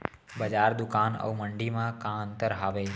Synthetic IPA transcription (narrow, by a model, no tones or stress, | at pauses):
bəd͡ʒaɾd̪ukanə̰uməɳɖimãkãə̃nt̪əɾɦaʋe